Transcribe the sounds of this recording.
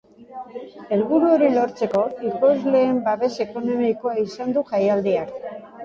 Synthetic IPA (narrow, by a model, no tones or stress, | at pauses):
e̞lβuɾuo̞ɾilo̞ɾt͡se̞ko̞iko̞zle̞ːmbaβe̞se̞ko̞no̞miko̞aisand̪uʝajald̪iak